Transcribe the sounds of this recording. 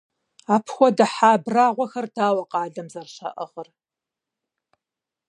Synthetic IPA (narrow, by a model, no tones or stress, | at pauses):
aːpʰxʷɔdɐħaːbraːʁʷɔxɐrdaːwɐqɑːɮɐmzɐrɕɐ̰ʔəʁər